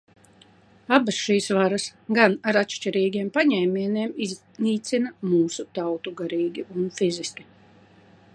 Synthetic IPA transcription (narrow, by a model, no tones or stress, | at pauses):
abasʃiːsvaɾasɡanaɾatʃt͡ʃiɾiːɡʲiɛmpaɲɛjminiɛmiz | niːt̪sinamuːsut̪awt̪uɡaɾiːɡʲiʔunfiziskʲi̥